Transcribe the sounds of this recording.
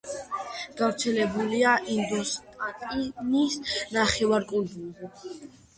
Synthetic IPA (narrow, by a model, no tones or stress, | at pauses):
ɡ̥avɾt̪sʰɛlɛbuliaʔind̪ɔst̪ʼat̪ʼinisnaχɛvaɾkʼund̪uzi